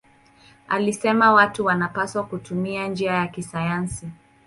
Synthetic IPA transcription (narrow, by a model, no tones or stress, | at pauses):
a̰lisɛmawatuwanapaswakutumiand͡ʒiajakisajansi